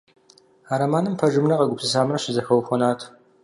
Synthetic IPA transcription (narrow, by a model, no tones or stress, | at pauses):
aːɾɐmaːnɨmpʰɐʒɨmnɐqɐɡʷʊpsɨs̬aːmrɐɕɪzɐxɐwxʷɔnaːtʰ